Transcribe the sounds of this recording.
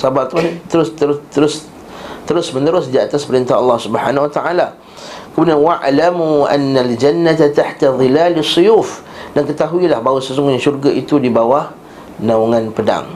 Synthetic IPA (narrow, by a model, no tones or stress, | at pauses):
sabart̪uat̪əɾʊst̪əɾt̪əɾʊs | t̪əɾʊsmə̃nəɾʊsdiat̪aspəɾint̪aɦɑlːɑhsubəħanawat̪aʔala | kəmudanwaʕlamua̰nːald͡ʒanːat̪at̪aħt̪aðˤɨilalsːujuf | dankət̪aɦuilahbawasəsuŋɡuɲaʃurɡaʔit̪udibawa | nauŋanpəda̰ŋ